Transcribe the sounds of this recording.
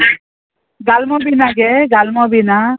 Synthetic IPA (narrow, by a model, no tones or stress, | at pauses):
ɡalmɔbinaɡeɡalmɔbina